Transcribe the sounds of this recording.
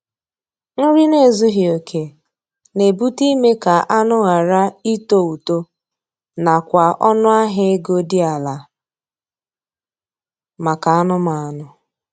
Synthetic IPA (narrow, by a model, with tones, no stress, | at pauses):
ŋ̩˦ɾi˦ne˦˨zu˦ɦi˨o˨kʰe˨ | ne˨bu˦ti˦me˦ka˨ʔa˦nʊ˦ɣa˨ɾa˦i˦to˦u˨to˦ | na˨kʷa˨ʔɔ˦nʊ˦a˦ɦɪ˦e˦ɡo˦dɪ˦a˨la˨ | ma˨ka˨a˦nʊ˦ma˨a˨nʊ˨